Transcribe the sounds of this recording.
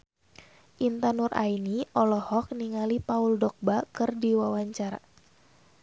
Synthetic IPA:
ʔint̪anurʔa̰iniʔɔlɔhɔk̚niŋalipauldɔk̚bakɨrdiwawaɲt͡ʃaɾa̰

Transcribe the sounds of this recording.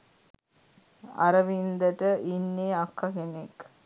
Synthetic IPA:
a̰ɾəʋind̪əʈəʔinːeːakːakenek

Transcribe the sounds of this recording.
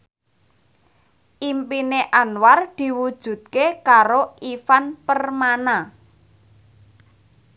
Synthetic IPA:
ʔimpineʔanward̪̥i̤wud̥ʒ̥ṳt̪̚kekaɾoifanpərmana

